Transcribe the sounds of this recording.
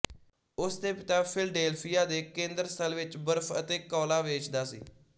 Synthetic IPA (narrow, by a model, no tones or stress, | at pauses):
ʊsd̪eːpɪt̪ãːpʰɪlɖeːlpʰiːjaːd̪eːkẽːnd̪əɾst̪əlʋɪt͡ʃbəɾfʰət̪eːkɔːlaːʋeːt͡ʃd̪aːsḭː